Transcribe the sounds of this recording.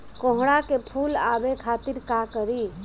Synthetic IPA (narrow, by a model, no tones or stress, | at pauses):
kɔ̃ɦɽakepʰulabekʰaːt̪iɾkakəɾi